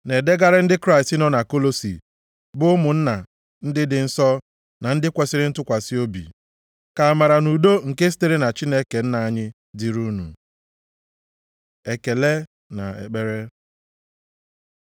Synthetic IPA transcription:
ne˨de˦ɡa˦ɾɪ˦n̩˦dɪ˦kɾa˦˨sti˦nɔ˦na˨ko˦lo˦sḭ˨ | bʊ˦mʊ˨n̩˦na˨ | n̩˦dɪ˦dɪ˨n̩˦sɔ˦ | na˨n̩˦dɪ˦kʷe˨sɪ˦ɾɪ˦n̩˦tʊ˦kʷa˨si˦o˦bḭ˨ | ka˨a˨ma˨ɾa˨nu˨do˦ŋ̩˨ke˦si̥˦te˦ɾe˦na˨t͡ʃi˦ne˦ke˨n̩˦na˨a˨ɲɪ˦ | di˨ɾu˦nṵ˨ | e˨ke˨le˦ | na̰˨ḛ˨k͡pe˦ɾe˦

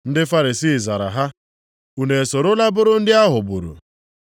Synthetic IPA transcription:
n̩˦dɪ˦fa˦ɾi˨siː˦˨za˨ɾa̰˨ɦa˦ | u˨ne˨so˨ɾʊ˦la˦bʊ˦ɾʊ˦n̩˦dɪ˦a˦ɦʊ˨bu˨ɾṵ˨

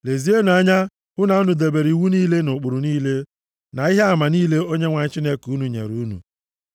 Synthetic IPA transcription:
le˨zi˦e˦n˨a˦ɲa˦ | hʊ˦na˨˦nʊ˨de˨be˨ɾi˨wu˦niː˦le˦nʊ˨k͡pʊ˨ɾʊ˨niː˦le˦ | na˨i˦ɦe˦a˦ma˨niː˦le˦o˦ɲe˦ŋʷa˨ɲɪ˦t͡ʃi˦ne˦ku˦nu˨ɲḛ˨ɾu˦nṵ˨

